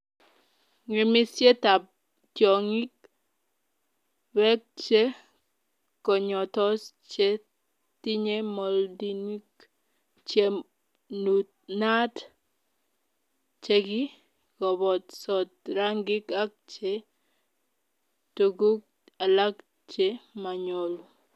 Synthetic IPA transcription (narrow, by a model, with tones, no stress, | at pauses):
ŋi˨mi˦sje˦ta˨p̚ | tjɔ˨ŋi˦k̚ | wɛ˦k̚t͡ʃe˦ | kɔ˨ɲɔ˨tɔ˦st͡ʃe˦ | ti˦ɲe˦mɔ˨ldi˨ni˦k | t͡ʃe˨ | nu˨t̚na˦t | t͡ʃe˦ɡɪ˦ | ɡɔ˨bɔ˨tsɔ˨t̚ɾa˦ŋɡɪ˦ka˦k̚t͡ʃe˦ | toɡu˦k̚ | a˨la˦k | t͡ʃe˦ma˨ɲo˨lu˨